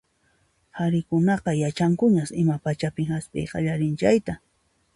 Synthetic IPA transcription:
haɾɪkʊnɑqɑjat͡ʃaŋkʊɲasɪmapat͡ʃapɪŋhaspʼḛjqɑ̰ʎaɾɪnt͡ʃajt̪a

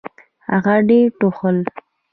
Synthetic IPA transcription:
ha̰ɣaɖeʈoxəl

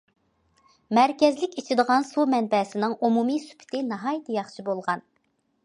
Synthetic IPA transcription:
mæɾkʲɛzlɪkʲit͡ʃʰid̪əʁɑnsumɛnbɛsɪnɨŋumumisy̥pʰɪ̥t̪ʰɪnɑɦɑjt̪ʰjɑχt͡ʃʰibolˠʁɑn

